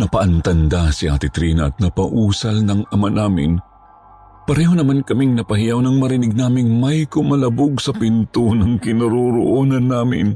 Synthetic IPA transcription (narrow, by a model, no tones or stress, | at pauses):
nɐpɐʔɐnt̪ɐnd̪asɪʔaːt̪ɪt̪ɾiːnɐʔɐt̪̚nɐpɐʔuːsɐlnɐŋʔɐmanaːmɪ̰n | pɐɾɛːhonɐmankɐmɪŋnɐpɐhɪjawnɐŋmɐɾɪnɪɡ̚naːmɪŋmɐjkʊmɐlɐbʊɡsɐpint̪onɐŋkɪnɐɾoɾoʔoːnɐnːaːmɪ̰n